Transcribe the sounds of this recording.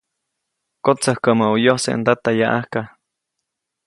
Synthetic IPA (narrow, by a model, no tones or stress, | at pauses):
kot͡səhkəməujohsḛnd̪at̪ajaʔahka